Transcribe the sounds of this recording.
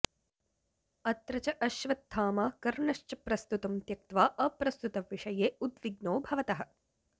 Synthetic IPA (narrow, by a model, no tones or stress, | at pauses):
ɐt̪ɾɐt͡ʃɐʔɐʃʋɐt̪ʰːaːmaːkɐɾɳɐʂt͡ʃɐpɾɐst̪ut̪ɐmt̪jɐk̚t̪ʋaːʔɐpɾɐst̪ut̪ɐʋiʂɐjeːud̪ʋiɡnoːbʱɐʋɐt̪ɐɦɐ̆